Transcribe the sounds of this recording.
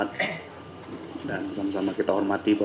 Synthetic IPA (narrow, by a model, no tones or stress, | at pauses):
at̪̚ | dansamasamakit̪aɦɔrmat̪ibə